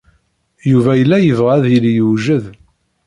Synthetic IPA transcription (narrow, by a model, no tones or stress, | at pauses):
juvæjəlːæjəvʁæðjəljuʒəð